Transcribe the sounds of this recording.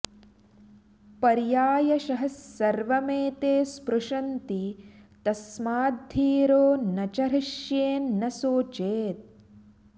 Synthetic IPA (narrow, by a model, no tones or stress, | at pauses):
pɐɾjaːjɐʃɐɦɐsːɐɾʋɐmeːt̪eːspɾuʂɐnt̪it̪ɐsmaːd̪ʱːiːɾoːnɐt͡ʃɐɾɐʃjeːnːɐsoːt͡ʃeːt̪̚